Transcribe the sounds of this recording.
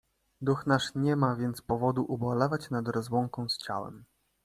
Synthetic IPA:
d̪uxnaʂɲɛmavʲjɛnt̪spɔvɔd̪uʔubɔlɛvat͡ɕnad̪ɾɔzwɔŋkɔ̃w̃st͡ɕa̰wɛ̰m

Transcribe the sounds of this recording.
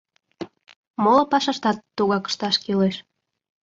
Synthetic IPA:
molopɑʃɑʃt̪ɑt̪ːuɣɑkə̥ʃt̪ɑʃkileʃ

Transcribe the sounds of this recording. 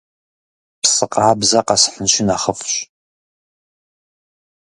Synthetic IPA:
psɨqɑːbzɐqɑsħənʃɪnaːχəfɕ

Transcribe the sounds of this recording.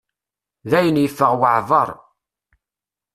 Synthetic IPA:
ðæjənjəfːəʁwəʕvɑ̰ɾˤ

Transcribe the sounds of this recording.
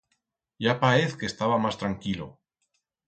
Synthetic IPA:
ʝapaeθke̞st̪aβamast̪ɾaŋkilo̰

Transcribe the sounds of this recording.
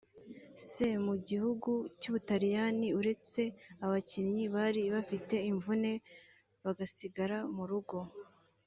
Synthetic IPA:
se̞muɟihuɡucuβutaɾijaniuɾe̞t͡se̞aβaciɲɲiβaɾiβafite̞iɱvune̞ | βaɡasiɡaɾamuɾuɡo̞

